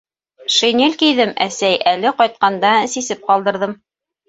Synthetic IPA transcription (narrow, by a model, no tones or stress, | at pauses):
ʃɘ̆nilʲkijðɘmæsæjʔælɘqɒjt̪̚qɑnd̪ɑsisɘp̚qɑlˠd̪ɤ̆ɾðɤm